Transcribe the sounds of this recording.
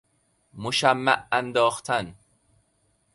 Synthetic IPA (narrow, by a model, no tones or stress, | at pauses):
moʃæmːæ̰ʔænd̪ɒːxt̪ʰæn